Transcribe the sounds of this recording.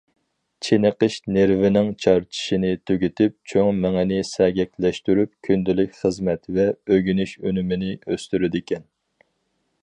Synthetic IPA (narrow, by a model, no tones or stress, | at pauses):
t͡ʃʰenəqəʃneɾvɪnɪŋt͡ʃʰɑɾt͡ʃʰi̥ʃinɪt̪ʰøɡʲyt̪ʰɪp̚t͡ʃʰoŋmɛŋɪnɪsɛɡʲɛkʲlɛʃt̪yɾyp̚kʲʰynd̪ɪlykʲχəzmɛt̪vɛøɡʲynyʃønymɪnɪøst̪yɾɪd̪ɪkʲɛn